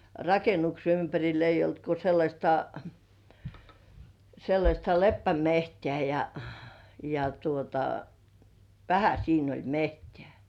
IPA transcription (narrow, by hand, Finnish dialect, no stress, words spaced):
rɑkenukse ympærʲil eijˑ olt ko selːɑsʲtɑ selːɑsʲtɑ lepːæmehtĕæˑ jɑ jɑ tuotɑ ʋæhæ siːn olʲ mehtĕæˑ